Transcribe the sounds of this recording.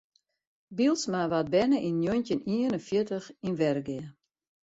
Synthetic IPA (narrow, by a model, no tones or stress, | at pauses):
bilˠsmaʋat̚bɛnəʔinːjɔjntɪniənənfjɪtəxinʋɛrɡɪə